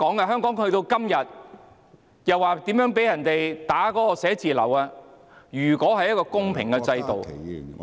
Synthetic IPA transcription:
kɔː˨˥ŋkɐ˧ɦœː˥ŋkɔː˨˥ŋhɵ˧ɥt̪o˧wkɐ˥mjɐ˨t̚ | jɐ˨waː˨˩t̪iː˨˥mjœː˨˥ŋpe˨˥jɐ˨˩nt̪e˨jt̪aː˨˥kɔː˨˥kɔ˧sɛː˨˥t͡siː˨lɐ̰˨˩waː˧ | jyː˨˩kɔː˨˥ɦɐ˨jɐ˥t̚kɔː˧kʊ˥ŋpʰɪ̰˨˩ŋkɛ˧t͡sɐ˧jt̪o˨w

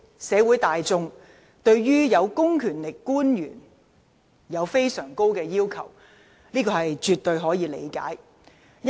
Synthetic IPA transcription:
sɛː˨˧wuː˨˥jt̪aː˨jt͡sʊ˧ŋ | t̪ɵ˧ɥɥyː˥jɐ˨˧wkʊ˥ŋkʰyː˨˩nlɪ˨˩kːuː˥njyː˨˩n | jɐ˨˧wfe˥jsœː˨˩ŋko˥wkɛː˧jiː˥wkʰɐ̰˨˩w | niː˥kɔː˧hɐ˨jt͡ʃyː˨t̪ɵ˧ɥɦɔː˨˥jiː˨˧lḛ˨˧jka̰ː˨˥j

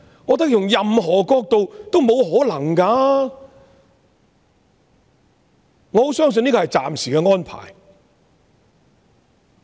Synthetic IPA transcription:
ŋɔː˨˧t̪̬ɐ˥k̚jʊ˨˩ŋjɐ˨mɦɔː˨˩kɔː˧k̚t̪o˨wt̪o˥wmo˨˧wɦɔː˨˥lɐ˨˩ŋkaː˧ | ŋɔː˨˧ho˨˥wsœː˥ŋs̬ɵ˧ni˥kɔ˧hɐ˨jt͡sa̰ː˨msi̥ː˨˩kɛː˧ŋɔː˥npʰa̰ː˨˩j

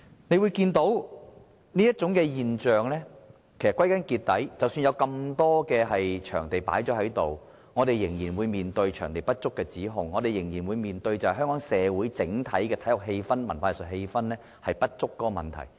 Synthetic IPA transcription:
ne˧jwuː˨˧jkiː˧nt̪o˨˥w | niː˥jɐ˥t̚t͡ʃʊ˨˥ŋkɛː˧jiː˨nt͡ʃœː˨ŋlɛː˥ | kʰe˨˩sɐ˨tkwɐ˥jkɐ˨˥nkiː˧t̪̚ɐ˨˥jt͡sɐ˨wsyː˧njɐ˨˧wkɐ˧mt̪ɔː˥kɛː˧hɐ˨jt͡ʃʰœ̰ː˨˩ŋt̪e˨jpa̰ː˨˥jt͡ʃɔː˨˥hɐ˨˥jt̪o˨w | ŋɔː˨˧t̪e˨jːɪ˨˩ŋjiː˨˩nwuː˨˧jmiː˨nt̪ɵ˧ɥt͡ʃʰœː˨˩ŋt̪e˨jpɐ˥t̚t͡sʊ˥kːɛː˧t͡siː˨˥ɦʊ˧ŋːɔː˨˧t̪e˨jɪ˨˩ŋjiː˨˩nwuː˨˧jmiː˨nt̪ɵ˧ɥt͡sɐ˨whjɦœ˥ŋkɔː˨˥ŋsɛː˨˧wuː˨˥jt͡sɪ˨˥ŋt̪ʰɐ˨˥jkɛː˧t̪ʰɐ˨˥jlʊ˨k̚ɦe˧jfɐ˥nmɐ̰˨˩nfaː˧˨˩sɵ˨t̚he˧jfɐ˥nlɛː˥ | hɐ˨jpɐ˥t̚t͡sʊ˥kːɔː˥ɔ˧mɐ̰˨˩nt̪ʰɐ̰˨˩j

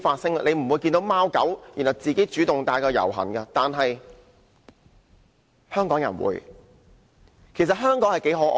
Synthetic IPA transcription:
faː˧t̚sɪ˥ŋ˧ne˨˧jm̩˨˩wuː˨˧jkiː˧nt̪o˨˥wmaː˥wkɐ̰˨˥wji˨˩nhɐ˨˩wt͡siː˨ke˨˥jt͡ʃyː˨˥t̪ʊ˨ŋt̪aː˧jkɔː˧jɐ̰˨˩wɦɐ̰˨˩nkɐ˧t̪aː˨nɦɐ˨j | hœː˥ŋkɔː˨˥ŋjɐ̰˨˩nwṵː˨˧j | kʰe˨˩sɐ˨t̚ɦœː˥ŋkɔː˨˥ŋhɐ˨jke˨˥jɦo˨˥ʔ

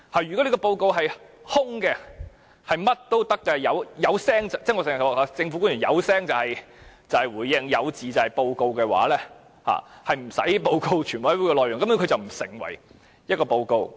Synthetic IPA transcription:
haː˨˩jy˨kɔ˨˥li˥kɔː˧po˧wko˧wɦɐ˨j | hʊ˥ŋkɛː˧ | hɐ˨jmɐ˥t̚t̪o˥wt̪ɐ˥kːɛ˧˨jɐ˨˧wjɐ˨˧wsɛː˥ŋt͡sɐ˨t͡sɛː˥˩ŋɔː˨˧sɪ˨ŋ˨˩waː˨˩aː˨˩t͡sɪ˧ŋfu˧˥kuː˥nɥyː˨˩njɐ̰˨˧wsɛː˥ŋt͡sɐ˨whɐ˨j | t͡sɐ˨˧hɐ˨jwuː˨jɪ˧˥ŋjɐ˨˧wt͡siː˨t͡sɐ˨whɐ˨jpo˧wko˧wkɛː˧wa̰ː˨˥lɛː˥ | ha̰ː˨˩hɐ˨jm̩˨˩sɐ̰˨˥jpo˧wko˧wt͡ʃʰy˨˩nwɔ˨˥u˥kɛ˧lɔː˨jʊ˨˩ŋkɐ˥mjɔ˥kʰɵ˧t͡sɐ˨wm̩˨˩sɪ̰˨˩ŋwɐ̰˨˩j | jɐ˥t̚kɔː˧po˧wko˧w

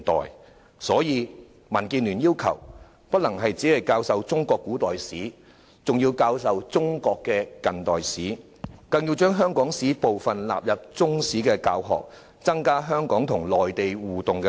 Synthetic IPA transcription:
t̪ɔ̰ː˨˩j | sɔː˨˥jiː˨˧ | mɐ˨˩nkiː˧nlyː˨˩njiː˥wkʰɐ̰˨˩w | pɐ˥t̚lɐ˨˩ŋɦɐ˨jt͡si˨˥lɐ˨jkaː˧wsɐ˨˧wt͡sʊ˥ŋkɔː˧kːuː˨˥t̪ɔː˨jsiː˨˥ | t͡sʊ˨ŋjiː˧wkaː˧wsɐ˨wt͡sʊ˥ŋkɔː˧kːɛ˧kɐ˨nt̪ɔː˨jsiː˨˥ | kɐ˧nji˧wt͡ʃœː˥ŋɦœː˥ŋkɔː˨˥ŋsiː˨˥po˨wfɐ˨˩nla̰ː˨p̚jɐ˨p̚t͡sʊ˥ŋsiː˨˥kɛː˧ka̰ː˧wɦɔ̰ː˨k̚ | t͡sɐ˥ŋkaː˥ɦœː˥ŋkɔː˨˥ŋt̪ʰʊ˨˩ŋlɔː˨jt̪e˨jwuː˨˩t̪ʊ˨ŋkɛ˧

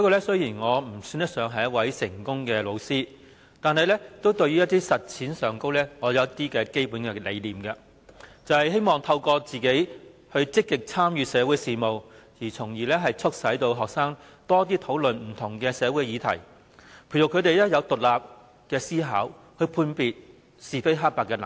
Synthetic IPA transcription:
ɔ˥kːɔ˧lɛ˥sɵ˥ɥjiː˨˩nŋɔː˨˧m̩˨˩syː˧˥njɐ˥t̚sœː˨˧ŋɦɐ˨jɐ˥t̚wɐ˨˥jsɪ˨˩ŋkʊ˥ŋkɛː˧lo˨˧wsiː˥ | t̪aː˨nɦɐ˨jlɛ˥t̪o˥wt̪ɵ˧ɥy˥jɐ˥t̪iː˥sɐ˨t̚t͡sʰiː˨˥nsœː˨ŋko˥wlɛː˥ŋɔː˨˧jɐ˨˧wɐ˥t̪iː˥kɛː˧ke˥jpuː˨˥nkɛː˧lḛ˨˧jliː˨˩mkɐ˧ | t͡sɐ˨whɐ˨jɦe˥jmɔː˨˩ŋt̪ʰɐ˧wkɔː˧t͡siː˨ke˨˥jhɵ˧ɥt͡sɪ˥kːɪ˨k̚t͡sʰaː˥mjyː˨˧sɛː˨˧wuː˨˥jsiː˨mo˨wjiː˨˩t͡sʰʊ˨˩ŋjiː˨lɛː˥ɦɐ˨jt͡sʰɵ˥k̚sɐ˨˥jt̪o˧wɦɔː˨k̚saː˥ŋ | t̪ɔː˥t̪̬iː˥t̪ʰo˨˥wlɵ˨nm̩˨˩t̪ʰʊ˨˩ŋkɛː˧sɛː˨˧wuː˨˥jjiː˨˧t̪ʰɐ̰˨˩j | pʰu˨˩jʊ˨kʰɵ˧t̪e˨jlɛː˥jɐ˨˧wt̪ʊ˨k̚laː˨p̚ | kɛː˧siː˥ɦaː˨˥w | hɵ˧ɥpʰuː˧npiː˨t̚ | siː˨˩fe˥jɦaː˥k̚paː˧˩kːɛː˧nɐ̰˨

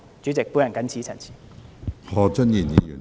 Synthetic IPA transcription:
t͡ʃy˨˥t͡sɪ˨k̚pu˨˥jɐ˨nkɐ˨˥nt͡sʰiː˨˧˥t͡sʰɐ˨˩nt͡sʰi̥˨˩ | hɔː˨˧t͡sə˥nji˨˩njiː˨˧jy̰ː˨˩n

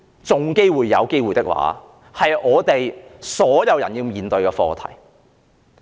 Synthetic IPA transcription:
t͡sʊ˨ŋke˥jwuː˨jːɐ˨˧wke˥jwuː˨jt̪ɪ˥k̚wa̰ː˨˥ | hɐ˨jʔɔː˨˧t̪e˨jsɔː˨˥jɐ˨˧wjɐ̰˨˩njiː˧wmiː˨nt̪ɵ˧ɥkɛː˧fɔ̰ː˧t̪ʰɐ̰˨˩j

